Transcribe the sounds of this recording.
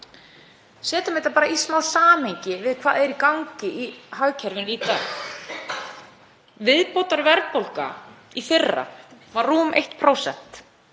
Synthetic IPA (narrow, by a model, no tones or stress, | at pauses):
sɛːt̪ʏmehjt̪apaːɾaismawðsaːmeɲcɪvɪðkʰv̥aːðɛɾikawŋcɪʔihaɣcʰɛɾvɪnit̪aːx | vɪðpowt̪aɾvɛɾpowlka̰ | ifɪrːa̰ | vaɾːuːmḛjht̪pʰɾoːwsɛ̰n̥t̪